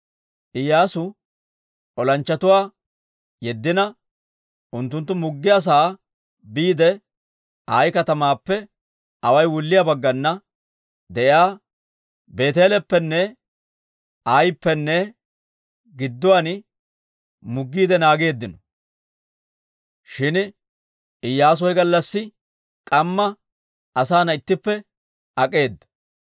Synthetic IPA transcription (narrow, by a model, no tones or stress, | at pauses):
ʔɪjaːsʊ | ʔɔlɐnt͡ʃːɐt̪ʊwaː | jɛd̪ːɪnɐ | ʔʊnt̪ːʊnt̪̬ːʊmʊɡːɪjas̬aː | biːd̪ɛ | aːjkɐt̪ɐmaːpːɛ | ʔɐwɐjwʊlːɪjabɐɡːɐnːɐ | d̪ɛʔɪaː | be̞ːt̪e̞ːlɛpːɛnːɛ | ajpːɛnːɛ | ɡɪd̪ːʊwan | mʊɡːiːd̪ɛnaːɡe̞ːd̪ːɪnɔ | ʃɪn | ɪjːaːs̬ɔjɡɐlːɐsːɪ | kʼɐmːɐ | ɐsaːnɐɪt̪ːɪpːɛ | ɐkʼe̞ːd̪ːɐ̥